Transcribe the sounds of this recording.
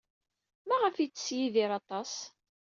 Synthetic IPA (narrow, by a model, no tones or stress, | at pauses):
mæʁəfit͡sːə̥sjiðiɾɑt̪ˤɑs